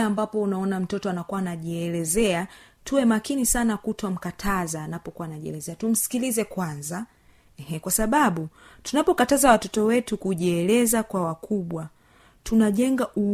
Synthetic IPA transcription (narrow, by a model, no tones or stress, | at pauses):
ambapɔunaɔnam̩tɔtɔanakuwaːnaʄiɛlɛzɛa | tʰuwɛmakinisanakutɔm̩katʰazaːnapɔkuwaːnaʄiɛ̰lɛzɛatum̩si̥kilizɛkwanza | ɛhɛkwasaɓaɓutunapɔkatazawatɔtɔwɛtukuʄiɛlɛzakwawakuɓwa | tʰunaʄɛŋɡaʔu